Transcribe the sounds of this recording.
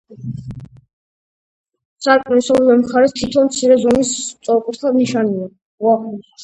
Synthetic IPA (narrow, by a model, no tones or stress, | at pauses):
saɾkʼnisɔlɛlɛmχaɾɛst̪ʰit̪ʰɔnmt̪sʰiɾɛzɔnist̪sʼɔɾkʼuɾt̪ʰaniʃania | waχu